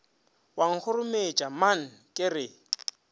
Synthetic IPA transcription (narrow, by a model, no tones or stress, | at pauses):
waŋ̩k͡xʰʊɾʊmet͡ʃʼamaŋ̩kʼɪrɪ